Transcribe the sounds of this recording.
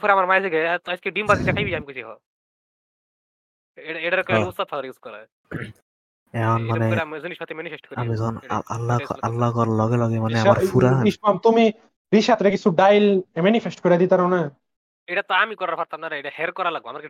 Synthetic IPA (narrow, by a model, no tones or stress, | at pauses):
pʰɔɾamaɾmajsiɡɛt̪askeɖimbazit̪akʰajbijamikusʰiɦɔ | eaejʈaɾɔust̪at̪ʰaɾiskɔɾa̰ | ɛɔnmanɛamziniʃmat̪ːimɛnipʰesʈkɔɾamizɔna̰a̰lːaɔ̰a̰lːakɔɾlɔɡɛlɔɡemanɛaaɾpuɾaiʃamt̪umi | ɾiʃat̪ɾekit͡sʰuɖajlmɛnifʰesʈkɔiɾad̪it̪aɾawna | ejʈat̪ɔamikɔɾaɾfʰaɾt̪amnaɾeʈahɛɾkɔɾalaɡ̚bɔamaɾk